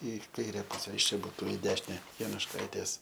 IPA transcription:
ɪ ˈkɐɪrʲɛ ˈpʊsʲɛ ɪʃ ˈt͡ʃʲɛ ˈbuːtʊ ɪ ˈdʲæːʃʲɪnʲɛ jɛnʊʃˈkɐɪtʲeːs

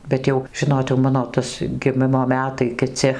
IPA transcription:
ˈbʲɛt jɛʊ ˈʒʲɪnoːt jɛʊ ˈmɑːnoː ˈtɐs ɡʲɪˈmʲɪmoː ˈmʲæːtɐɪ kʲɪˈt͡sʲɪ

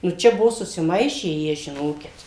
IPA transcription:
nʊ ˈt͡ʃʲɛ ˈbʊʋoː sʊsʲɪˈmɐɪʃʲæː ˈjiɛ ʒʲɪˈnoːkʲɪt

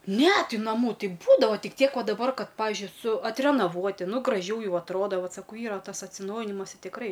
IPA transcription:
ˈnʲɛ ˈtʲɪ nɐˈmuː ˈtʲɪ ˈbuːdɐʋɐ ˈtʲɪk ˈtʲiɛk ˈʋɐ dɐˈbɐr ˈkɐt ˈpɑːʋʲɪʒʲʊɪ sʊ ɐtʲrʲɛnɐˈʋuɔtʲɪ ˈnʊ ɡrɐˈʒʲɛʊ ˈjɛʊ ɐtˈroːdɐ ˈʋɐt sɐˈkɐʊ ˈiːrɐ tɐs ɐtʲsʲɪˈnɐʊjɪnʲɪmɐs ɪ tʲɪkˈrɐɪ

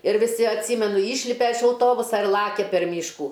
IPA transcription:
ɪr ʋʲɪˈsʲɪ ɐtʲˈsʲiːmʲɛnʊ ˈiːʃʲlʲɪpʲɛ ɪʃ ɐʊˈtoːbʊsɐ ɪr ˈlˠɑːkʲɛ pʲɛr ˈmʲiːʃkuː

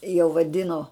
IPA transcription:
jɛʊ ʋɐˈdʲɪnoː

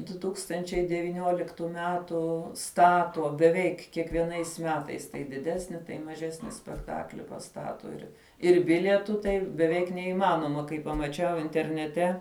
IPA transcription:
dʊ tuːkstɐnʲt͡ʃʲɛɪ dʲɛʋʲiːˈnʲuɔlʲɪktʊ ˈmʲæːtʊ ˈstɑːtuɔ bʲɛˈʋʲɛɪk kʲiɛkʋʲiɛˈnɐɪs ˈmʲæːtɐɪs tɐɪ dʲɪˈdʲæːsʲnʲɪ tɐɪ mɐˈʒʲæːsʲnʲɪ sʲpʲɛkˈtɑːklʲɪ pɐˈstɑːtoː ɪr ɪr ˈbʲɪlʲiɛtʊ ˈtɐɪ bʲɛˈʋʲɛɪk nʲɛiːˈmɑːnoːmɐ kɐɪ pɐmɐˈt͡ʃʲɛʊ ɪnʲtʲɛrʲnʲɛˈtʲɛ

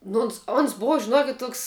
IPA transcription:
ˈnoː oːns oːns ˈboːʋɐ ʒʲɪˈnuɔkʲɪtʲ ˈtuɔks

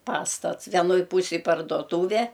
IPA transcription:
ˈpɑːstɐts ʋʲɛnˈoːj ˈpuːsʲeːj pɐrdoːˈtuːʋʲɛ

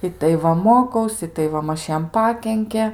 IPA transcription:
ˈɪtɐɪ ˈʋɐ moːˈkɐʊs ɪtɐɪ ˈʋɐ ˈmɐʃ ˈjɛm ˈpɑːkʲɛŋʲkʲɛ

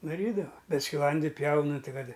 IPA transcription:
dɐˈrʲiːdɐʋɐ ˈbʲɛt sʲkʲɪˈlˠɐnʲdʲɪ ˈpʲjɛʊnɨ ˈtʲɪ ˈkɐt

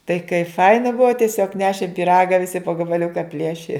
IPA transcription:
tɐɪ kɐɪ ˈfɐɪnɐ ˈbʊʋoː tʲiɛˈsʲoːk ˈnʲæːʃʲeːm pʲiːˈrɑːɡɐ ʋʲɪˈsʲɪ poː ɡɐbɐˈlʲʊkɐ ˈpʲlʲiɛʃʲɪ

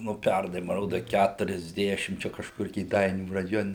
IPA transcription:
nʊ ˈpʲɛrnɐɪ mɐ ˈroːdɐ ˌkʲætʊrʲɛzʲˈdʲæːʃʲɪm ˈt͡ʃʲɛ kɐʃˈkʊr kʲeːˈdɐɪnʲuː rɐˈjoːnʲɛ

